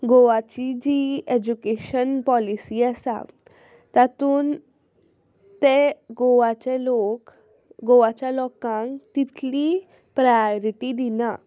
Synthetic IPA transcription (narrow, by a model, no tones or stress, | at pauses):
ɡoʋat͡ɕid͡ʑied͡ʑukeɕənpɔlisiasa̰ | t̪at̪uːn | t̪eɡoʋat͡ɕelok | ɡoʋat͡ɕalɔkãŋkt̪it̪li | pɾajɔɾiʈid̪ina